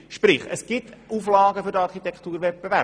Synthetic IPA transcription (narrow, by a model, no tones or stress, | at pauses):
ʃpɾɪχə̰sɡ̥ɪtʔuflɑːɡəfʏɾdəɑɾχit̪ɛkχt̪uːɾvɛt̚bevæ